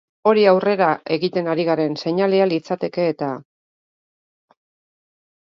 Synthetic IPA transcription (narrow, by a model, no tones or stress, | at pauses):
o̞ɾiawre̞ɾaʔe̞ɣit̪e̞naɾiɣaɾe̞nse̞ɲalealit͡sat̪e̞ke̞ːt̪a